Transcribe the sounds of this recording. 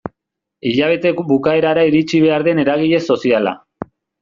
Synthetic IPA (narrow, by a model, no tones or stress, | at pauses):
iʎaβ̞e̞t̪e̞kbukae̞ɾaɾaiɾit͡ʃiβ̞e̞aɾðe̞ne̞ɾaɣ̞iʎe̞so̞siala̰